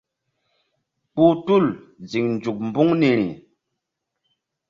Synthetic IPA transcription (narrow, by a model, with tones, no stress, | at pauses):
k͡pu˦tu˦˨l | zi˨ŋnd͡ʒu˨k̚mbu˦ŋni˨ɾḭ˨